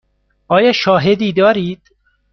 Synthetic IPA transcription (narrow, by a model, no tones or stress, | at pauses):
ʔɒːjɒːʃɒːɦed̪iːd̪ɒːɾiːd̪̥